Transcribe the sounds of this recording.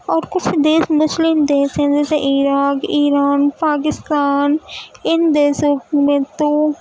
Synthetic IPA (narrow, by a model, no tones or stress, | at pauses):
ɔːɾkʊt͡ʃʰd̪eːsmʊslɪmd̪eːʃɦɛ̃d͡ʒɛːseʔiːɾaːkiːɾaːnpaːk̬ɪst̪aːnɪnd̪eːʃõmẽt̪o